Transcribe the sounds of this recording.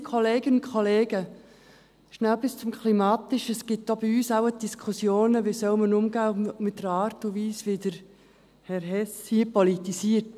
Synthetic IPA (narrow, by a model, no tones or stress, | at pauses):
kʰoleːɡ̥ənʊnkʰoleːɡə | ʃnælbɪst͡sʊmkʰlimɑːt̪ɪʃəsɡ̥ɪtːob̥iyːsaʊəd̥iskʰʊsjoːnəʋesœʊmənʊmɡaːmɪt̚ːəɾɑːɾtuʋiːsʋɪdəɾ | hɛɾɦɛshiəpɔlitisiəɾt